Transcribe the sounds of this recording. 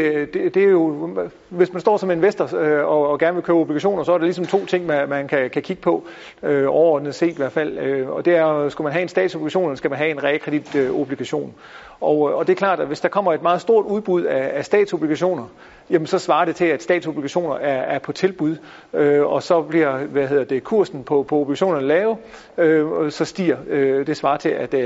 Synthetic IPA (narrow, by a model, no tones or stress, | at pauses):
d̥ed̥e̝æɐjo̝ | ʋe̝smænsd̥ɒ̰ːsɒ̽me̝nʋesd̥ɐøɒ̽ɡ̥æɐnəʋe̝lkʰøːʊob̥liɡ̥æɕo̝̰ːnɐsɒ̽æɐɾɑ̈lisɒ̽mt͡sʰo̝̰ːt͡sʰe̝ŋ̰mæmænkʰækʰækʰiɡ̥ə̥pʰɒ̽ | øɒʊɐɒ̰ːd̥n̩ð̩ˠse̝̰ːd̥iʋæɐfæl̰øɒ̽d̥e̝æɐsɡ̥umænɦæe̝nsd̥ɛ̰ːd̥sobliɡ̥æɕ̬o̝̰ːnelsɡ̥æmænɦæe̝nʁɛːkʰʁɛd̥id̥øob̥liɡ̥æɕo̝̰ːn | ɒʊɒ̽d̥e̝ɐkʰlɑ̰̈ːd̥ʋe̝sd̥ɑ̈kʰɒ̽m̰ɐe̝d̥mɑ̈ːð̩ˠsd̥o̝ɐ̰d̥uð̞ˠb̥uð̞̰ˠæːsd̥ɛ̰ːd̥sob̥liɡ̥æɕo̝̰ːnɐ | jæmənsɒ̽sʋɑ̈ːɾ̥e̝t͡sʰe̝læd̥sd̥ɛ̰ːd̥so̝b̥liɡ̥æɕo̝̰ːnɐæɐːɐpʰɒ̽t͡sʰe̝lb̥uð̰ˠ | øɒ̽sɒ̽b̥liɐ̰ʋæhe̝ð̰ˠɐd̥e̝kʰuɐ̰sn̩pʰɒ̽pʰɒ̽o̝b̥liɡ̥æɕo̝̰ːnɐnəlɛːʊ | øsɒ̽sd̥ḭːɐød̥e̝sʋɑ̈ːt͡sʰe̝læd̥